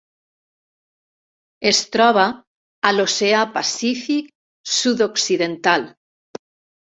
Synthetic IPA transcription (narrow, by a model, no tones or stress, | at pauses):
est̪ɾɔβ̞aː | loseapasifik̚ | suðoksiðent̪al